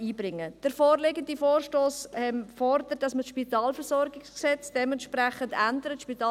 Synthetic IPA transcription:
iːbɾɪŋːəd̥əɾfoːrleɡəndifoːɾʃtoːshɛmfɔɾdətd̥ɑsməsʃpitɑːlfəɾsɔɾɡɪksksɛt͡sd̥ɛmɛntʃpɾɛχəndændəɾətʃpitɑː

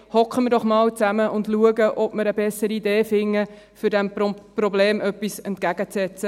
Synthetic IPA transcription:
hɔkχəmɪɾdɔχmɑːlt͡sæməʊndluəɡəʔɔb̥məɾəbɛsːəɾiːdeːfɪŋːə | fʏɾdɛmprɔbleːmʔœpːisɛntkæɡ̥ət͡sɛt͡sə

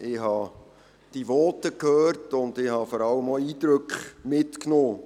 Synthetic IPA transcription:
ɪːhɑ | d̥iʋɔːtəkhøːrtʊndɪhɑfɔɾɑləmɔiːd̪ɾøkχmɪtknɔː

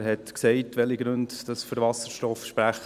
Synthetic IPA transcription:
ɦɛtksɛɪtʋɛliɡɾʉndd̥ɑsfyɾvɑsəɾʃtɔfʃpɾæχ

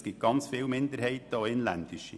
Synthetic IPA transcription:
sɡ̥ɪt̪̚ɡ̥ɑnt͡sfɪːlmɪnd̪əɾhɛɪt̪əɔɪnlænd̥̪ɪʃi

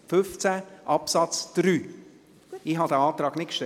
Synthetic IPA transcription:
fʏft͡sæʔɑpsɑt͡sd̪̥ɾyː | ihɦɑd̪əɑːt̪ɾɑːɡnɪtkʃtɛ

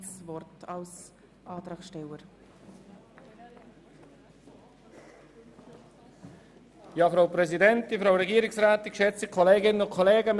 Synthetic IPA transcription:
svɔrtɑls | ʔɑːt̪ɾɑːkʃtɛləɾ | jɑːfɾaʊpɾɛzidɛntdifɾaʊɾɛɡiːɾɪksraːtɪkʃɛt͡sikʰɔleːɡɪnənʊnkʰoleːɡəm

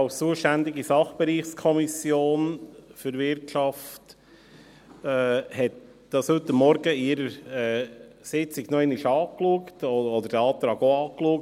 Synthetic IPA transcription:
ɑʊst͡suəʃtænd̪ɪɡisɑχb̥ɛɾiːχskʰɔmisjoːnfʏɾʋɪɾtʃɑft | ɛːhɛt̪̚ | d̪̥ɑshɵtːəmːɔɾɡəɪɾəɾɛː | sɪt͡sɪɡnoɛnɪʃɑːkluəktɔɔd̪əɾd̥ɛɑːt̪ɾɑːɡoɑːkluək̚

